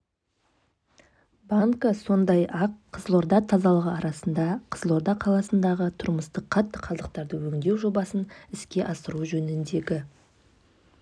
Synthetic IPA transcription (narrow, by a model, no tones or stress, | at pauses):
baŋkəso̞nd̪ɑjɑqʰːəzlˠo̞ɾd̪ɑt̪ʰɑzɑlˠəʁəɑɾɑsənd̪ɑqʰəzəlˠo̞ɾd̪ɑqʰɑlˠɑsənd̪ɑʁət̪ʰʊɾməst̪əqʰɑt̪ːəqʰɑzˠəq̚t̪ɑɾd̪əwɵŋd̪e̞wʒo̞bɑsənɪskʲe̞ʔɑsəɾuʒɵnɪnd̪e̞ɡʲɪ